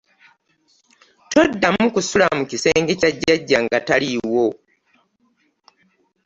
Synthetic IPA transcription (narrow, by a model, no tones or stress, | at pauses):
to̞dːamukusulamucise̞ːŋɡecaɟːaɟːaŋɡataliwo̞